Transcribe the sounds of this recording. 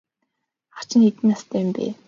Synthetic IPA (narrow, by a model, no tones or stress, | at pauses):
χḁt͡ɕɪ̆net̪ɘ̆nast̪ʰæːɪmpḛː